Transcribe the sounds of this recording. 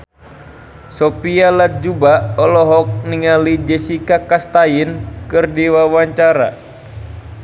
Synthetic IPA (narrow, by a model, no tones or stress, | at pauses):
sɔpialat̪̚d͡ʒubaɔlɔɦɔk̚niŋalid͡ʒɛsikakast̪ajinkɨrdiwawaɲt͡ʃaɾa̰